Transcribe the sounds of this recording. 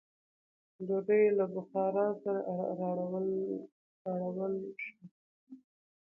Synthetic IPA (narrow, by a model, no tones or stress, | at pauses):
d̪od̪əjlabʊxɑɾɑsaɾaʔaɾaw | aɽawəlʃi